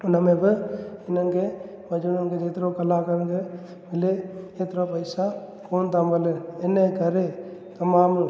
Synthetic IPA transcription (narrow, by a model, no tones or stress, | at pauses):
ʊnəmẽbɪɪnənke | ʋɐd͡ʒnənked͡ʒeːt̪ɾokɐlakɐɾənke | mɪleeːt̪ɾopɐɪsa | koːnt̪ambəlenenekɐɾet̪ɐmaːm